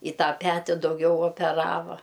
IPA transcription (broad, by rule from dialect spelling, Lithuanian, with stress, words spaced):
ɪ ˈtɑː ˈpʲæːtʲɪ dɐʊˈɡʲɛʊ oːpʲɛˈrɑːʋɐ